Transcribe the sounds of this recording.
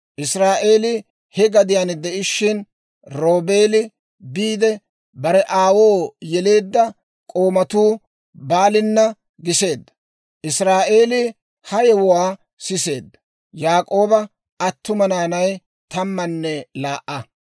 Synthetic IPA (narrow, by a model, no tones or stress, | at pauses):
ʔɪsɾaːʔe̞ːlɪ | hɛɡɐd̪ɪjand̪ɛʔɪʃːɪn | ɾo̞ːbe̞ːlɪ | biːd̪ɛ | bɐɾɛʔaːwo̞ːjɛle̞ːd̪ːɐ | kʼo̞ːmɐt̪uː | baːlɪnːɐ | ɡɪse̞ːd̪ːɐ̥ | ʔɪsɾaːʔe̞ːlɪ | hɐjɛwʊwaː | sɪse̞ːd̪ːɐ | jaːkʼo̞ːbɐ | ʔɐt̪ːʊmɐnaːnɐj | t̪ɐmːɐnːɛlaːʔɐ